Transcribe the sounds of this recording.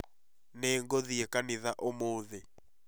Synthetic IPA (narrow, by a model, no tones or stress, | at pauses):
nɛŋɡoðiekanɪðaʔomoːðe